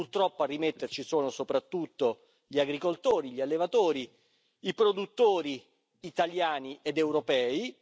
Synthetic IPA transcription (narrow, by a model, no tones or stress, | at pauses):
purt̪ɾɔpːoarːimet̪ːert͡ʃisoːnosopɾat̪ːut̪ːo | ʎiaɡɾikolt̪oːɾiʎialːevat̪oːɾi | ipɾod̪ut̪ːoːɾiː | t̪aljaːniʔed̪ewɾopɛːi